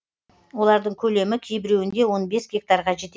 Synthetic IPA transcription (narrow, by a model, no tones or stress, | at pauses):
wo̞lˠɑɾd̪əɴkʲʰɵle̞mɪkʲʰe̞jbɪɾe̞wɪnd̪e̞wo̞nbe̞sɡʲe̞k̚t̪aɾʁɑʒe̞t̪e